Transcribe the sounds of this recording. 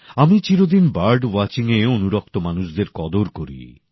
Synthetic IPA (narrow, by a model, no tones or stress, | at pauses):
amit͡ɕiɾod̪inbaɾɖwɔt͡ɕiŋeonuɾɔk̚t̪omanuʃd̪eɾkɔd̪oɾkoɾḭ